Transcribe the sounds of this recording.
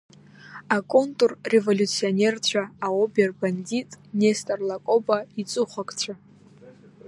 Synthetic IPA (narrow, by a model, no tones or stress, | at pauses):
akʼo̞ntʼurːe̞vo̞lʲut͡sʰio̞nʲe̞rt͡ɕʷʰaaoberbanditʼnestʼarlakʼo̞bait͡sʼʊχʷakʼt͡ɕʷʰa